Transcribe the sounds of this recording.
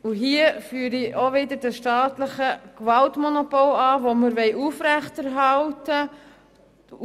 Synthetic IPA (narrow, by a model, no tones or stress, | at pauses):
uɦiəfyːəɾiʔoʋɪdəɾd̥əʃtɑːtləχəkvɑltmɔnopolɑːvoməɾʋɛɪʔuːfɾæχtæɾɦɑltə